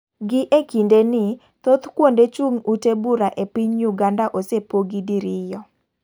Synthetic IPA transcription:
ɡɪʔekindenɪ | t̪ot̪kwondet͡ʃuŋutebuɾaʔepiɲjuɡandaʔosepoɡidiɾɪjɔ

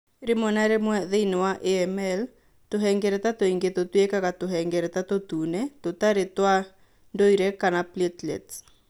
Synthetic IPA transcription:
ɾemɔnaɾemwɛðeinwaʔeɛmɛl | t̪ʊɦɛŋɡɛɾɛt̪at̪oiŋɡet̪ot̪wekakat̪ʊɦɛŋɡɛɾɛt̪at̪ot̪unɛt̪ot̪aɾet̪wa | ndoiɾɛkanapletlɛ̰t

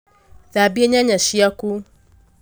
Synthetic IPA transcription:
ðabieɲãɲãʃijaku

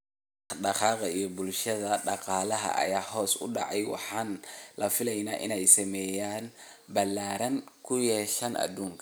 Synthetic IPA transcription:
ɑħɗɑqɑːqɑijɔbʊlʃɐðɐɖɑqɑːlɐɦɐ̰ʔɐ̰jaːhɔːsʊ̰ɖɑʕɑjwɑ̰ħɑːnlɐfɪlɛjnaːʔɪ̰nɛjsɐmɛjaːnbɐlːaːɾɐnkʰʊjɛʃɐnʔɐ̰d̪uːŋkʰɐ̥

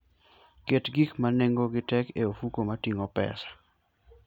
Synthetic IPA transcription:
ketɡikmaneŋɡoɡɪtɛkeofukomatiŋɔpɛ̰sḁ

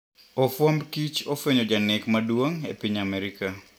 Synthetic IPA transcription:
ofwɔmbkit͡ʃofeɲod͡ʒanɪkmadwoŋepiɲamɛɾika

